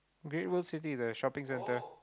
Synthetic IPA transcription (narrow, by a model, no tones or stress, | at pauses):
ɡɾeʈwəlsɪʈ̬id̪əʃɔpɪ̃ŋsɛ̃ntə